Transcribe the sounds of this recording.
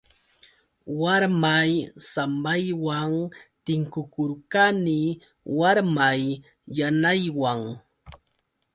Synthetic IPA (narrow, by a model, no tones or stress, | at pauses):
waɾmajsambajwaŋt̪ɪŋkʊkʊɾkani | waɾmajː | anajwaŋ